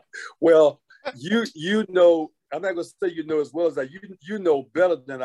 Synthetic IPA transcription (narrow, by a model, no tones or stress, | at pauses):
wɛlˠ | jɨjɨnoʊ | ãɪ̃mnɨt̚ɡʌnəseɪjɨnoʊəzwɛlˠəzðɨt͡ʃjɨjɨnoʊbɛɾə˞ðɨ̃n